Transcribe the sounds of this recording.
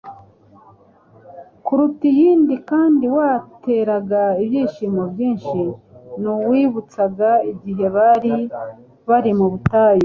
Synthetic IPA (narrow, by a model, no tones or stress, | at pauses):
kuɾutijiːndikaːndiwaːte̞ɾaɡaibjiːʃiːmobjiːnʃi | nuwiβut͡saɡaiɟiɦe̞βaɾi | βaɾimuβutaːjo